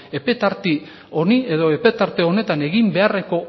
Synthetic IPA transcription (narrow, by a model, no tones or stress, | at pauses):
e̞pe̞t̪aɾt̪i | oniʔe̞ðo̞e̞pe̞t̪aɾt̪e̞o̞ne̞t̪ane̞ɣimbe̞are̞ko̞